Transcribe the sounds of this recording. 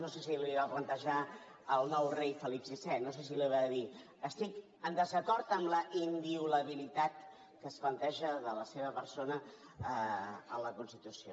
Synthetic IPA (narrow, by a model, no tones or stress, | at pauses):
nosesiliβaplənt̪əʒa | əlˠnɔwrejfəlipsisɛnos̬es̬iliβaði | əst̪ik | ənd̪əzəkɔɾt̪əmləʔimbiuləβ̞ilit̪at̪ | kəsplənt̪ɛʒəðələseβəpəɾsonə | əələkunst̪it̪usio